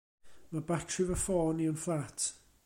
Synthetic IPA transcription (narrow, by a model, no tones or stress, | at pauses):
məbakʰivəfɔːniənflat